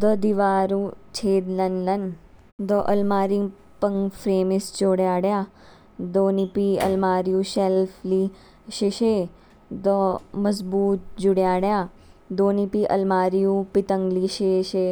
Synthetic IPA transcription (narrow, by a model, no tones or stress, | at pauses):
d̪əd̪iʋaːɾũt͡ʃʰeːd̪lɐnlɐn | d̪ɔʔɐlmaːɾiŋ | pɐŋɡpʰɾeːmist͡ʃoːɽjaːɽjaː | d̪oːnipiɐ̰lmaːɾijũːʃelfʰli | ʃeʃe | d̪ɔmɐzbuːt̪̚d͡ʒuɽjaːɽjaː | d̪oːnipiʔɐ̰lmaːɾijũpit̪əŋɡliʃeʃe